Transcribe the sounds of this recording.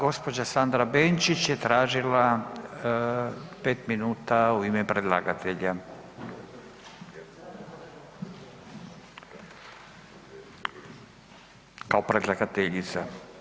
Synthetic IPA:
ɡo̞spod͡ʑasand̪ɾabeːnt͡ʃit͡ɕjet̪ɾaːʒila | peːt̪minuːt̪auimepɾed̪lˠaɡat̪eʎa | kaopɾed̪lˠaɡat̪eʎit̪sa

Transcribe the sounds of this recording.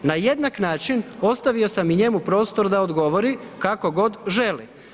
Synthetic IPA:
naje̞d̪naknaːt͡ʃino̞st̪aʋio̞samiɲe̞mupɾo̞ːst̪o̞ɾd̪aod̪ɡo̞ʋo̞ɾikako̞ɡo̞d̪ʒe̞lḭ

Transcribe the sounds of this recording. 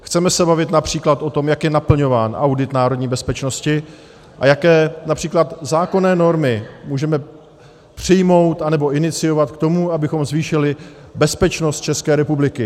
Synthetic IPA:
xt͡sɛmɛsɛbavɪt̪napr̝̥iːklat̪o̞t̪o̞mjakjɛnapl̩ɲo̞vaːnʔawdɪt̪naːɾodɲiːbɛspɛt͡ʃno̞scɪ | ʔa̰jakɛːnapr̥iːklat̪zaːko̞nɛːno̞ɾmɪmuːʒɛmɛ | pr̝̥ɪjmo̞wt̪anɛbo̞ʔɪnɪt͡sɪjo̞vat̪kt̪o̞muabɪxo̞mzviːʃɪlɪ | bɛspɛt͡ʃno̞st̪̚t͡ʃɛskɛːɾɛpublɪkɪ

